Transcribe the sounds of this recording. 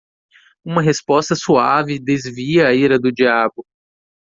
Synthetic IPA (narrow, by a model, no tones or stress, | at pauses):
ũmɐɦespɔst̪ɐsuavɪd̪ezviɐːiɾɐd̪ʊd͡ʒiabʊ